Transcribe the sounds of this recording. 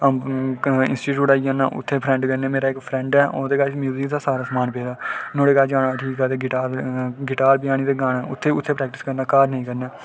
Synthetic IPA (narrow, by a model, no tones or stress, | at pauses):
ɪ̰nsʈiːʈjuːʈaːiãːna̰ːʔʊ̰t̪ʰːeːpʰɾɛ̃ɳɖkənẽːmeːɾaːɪkpʰɾɛ̃ːɳɖɛːʔoːd̪eːkaːt͡ʃmjuːzɪkd̪aːsaːɾaːsmaːnpeːd̪aːnõːɽeːkaːd͡ʒaːɽaːʈʰiːkɛːt̪eːɡɪʈaːɾɡɪʈaːɾbɪjaːɽ̃iːd̪eːɡaːnaːʊt̪ʰːeːʊt̪ʰːeːpɾɛːk̚ʈɪskəɾnaːkaːɾnəĩːkəɾnaː